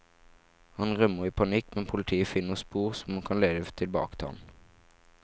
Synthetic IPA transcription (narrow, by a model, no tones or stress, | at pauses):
hɑnʁœməʁiːpʰɑnɪkmɛnpʰʊlt̪ʰiːəfɪnːəʁspuːʁsɔmhɑnkʰɑnleːd̪ət̪ʰɪlbɑ̰ːkə̥t̪ʰɑ̰n